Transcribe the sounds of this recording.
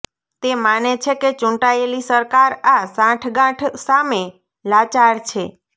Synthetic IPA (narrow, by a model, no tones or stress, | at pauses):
t̪emanet͡ʃʰeket͡ʃũʈaelisəɾkaɾasãʈʰɡãʈʰsame | lat͡ʃaɾt͡ʃʰe